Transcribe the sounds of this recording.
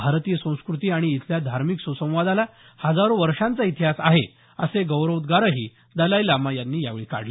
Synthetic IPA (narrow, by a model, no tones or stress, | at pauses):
bʱaɾt̪ijəsə̃w̃skɾut̪iːaɽ̃iːt̪ljad̪ʱaɾmiksusə̃w̃ʋad̪ala | həd͡zaɾoʋəɾʂãnt͡sait̪ɦasaɦe | əseɡəwɾəʋd̪ɡaɾəɦiː | d̪əlajlamajanːiːjaʋeɭika̰ɽ̤le